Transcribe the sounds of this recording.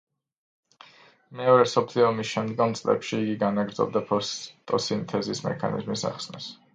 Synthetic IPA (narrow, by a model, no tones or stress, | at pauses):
mɛɔɾɛsɔpʰliɔmisʃɛmd̪ɡɔmt̪sʼlɛ̰pʃiːɡiɡanaɡɾd̪zɔ̰b̚d̪apʰɔst̪ʼɔsint̪ʰɛzismɛ̰kʰa̰nḭzmisa̰χsnas